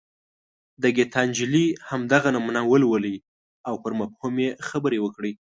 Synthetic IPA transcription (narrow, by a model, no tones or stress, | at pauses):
d̪əɡet̪ɑnd͡ʒɪlihamd̪aɣanamunawəlwəli | awpəɾmafhumjexabəɾewəkɽi